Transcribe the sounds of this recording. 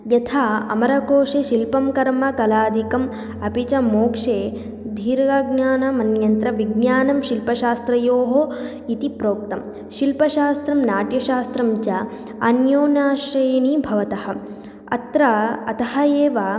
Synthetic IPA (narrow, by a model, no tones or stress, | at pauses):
jɐt̪ʰaːɐ̰mɐɾɐkoːʂeʃilpɐmkɐɾmɐkɐlaːd̪ʱikɐm | ɐpit͡ʃɐmoːkʂeː | d̪ʱiːɾɡɐɡnaːnɐmɐnjɐnt̪ɾɐʋiɡnaːnɐmʃilpɐʃaːst̪ɾɐjoːɦo | it̪ipɾoːk̚t̪ɐm | ʃilpɐʃaːst̪ɾɐmnaːʈjɐʃaːst̪ɾɐmd͡ʒɐ | ɐnjoːnaːʃɐjɐnibʱɐʋɐt̪ɐhɐ̆ | ɐ̰t̪ɾɐɐt̪ɐhɐeːʋaː